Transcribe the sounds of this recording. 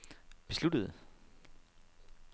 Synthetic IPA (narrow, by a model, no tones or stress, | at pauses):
b̥e̝slud̥əð̩ˠ